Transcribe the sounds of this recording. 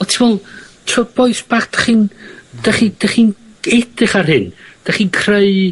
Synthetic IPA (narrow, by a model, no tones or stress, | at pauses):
ɔtʰivɔlˠtʰɔb̥ɔjsb̥ad̥ḁχind̥aχid̥aχin | ɛdɪχarhɪnd̥aχinkʰreɨ